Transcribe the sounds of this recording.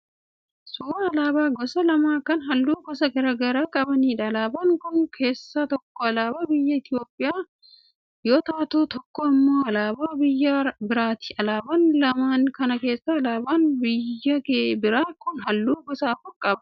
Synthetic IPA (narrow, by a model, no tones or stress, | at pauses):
suːɐɐlaːbaːɡɔsɐlɐmaːkɐnɦɐlːuːɡɔsɐɡɐɾɐɡɐɾaːkʼɐbɐniːᶑɐlaːbɐŋkʊnkʰe̞ːsːɐt̪ɔkːɔɐlaːbaːbɪjːɐɪt̪jo̞ːpʼːɪjaː | jo̞ːt̪aːt̪oːt̪ɔkːɔɪmːo̞ːɐlaːbaːbɪjːɐbɪɾaːt̪ɪ̥ɐlaːbɐnlɐmaːnkɐnɐke̞ːsːɐːlaːbaːnbɪjːɐbɪɾaːkʊnɦɐlːuːɡɔsaːfʊɾkʼɐbɐ